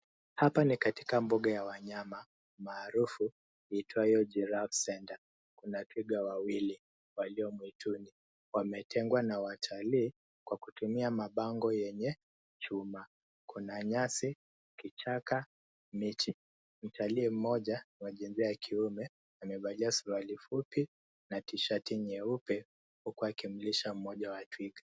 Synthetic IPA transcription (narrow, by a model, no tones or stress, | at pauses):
hapanikati̥kambuɠajawaɲama | maːɾufu | itwaijɔd͡ʒɛɾafsɛnda | kunatʰiɡawawili | waliɔmwituni | wamɛtʰɛŋɡwanawatʰaliː | kwakutumiamaɓaŋɡɔjɛɲɛ | t͡ʃuma | kunaɲasi | kit͡ʃaka | mit͡ʃi | m̩tʰaliːm̩mɔʄanwaʄinziaakʰiumɛ | amɛɓaliasualifupi | natiʃatiɲɛupɛ | hukuakim̩liʃam̩mɔʄawatwiɡa